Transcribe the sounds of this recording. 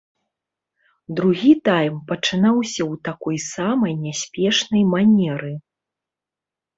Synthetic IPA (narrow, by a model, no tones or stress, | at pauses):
d̪ɾuɣʲit̪almpɐt͡ʂɨnawsʲɐwt̪akɔjsamɐjnʲasʲpʲɛʂnɐjmanʲɛɾɨ